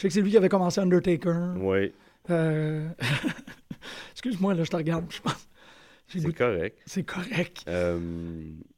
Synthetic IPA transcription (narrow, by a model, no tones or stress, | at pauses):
sɛkəsɛlɥikʲiavɛkɔmɑ̃seɑ̃nd̪ət̪ekə˞wɛ | ø | skʲyzmwalɔʒət̪əʁɡaʁd̪̚piʒ̥ə̥pɑ̃s | ʒ̥eɡut̪kɔʁɛk̪̚sɛkʰɔʁɛk̚œm